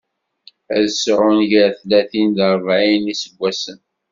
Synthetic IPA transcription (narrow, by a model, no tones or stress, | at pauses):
æðsɾʊnʝəɾθlæθind̪əɾˤvʕinisəɡʷːæsən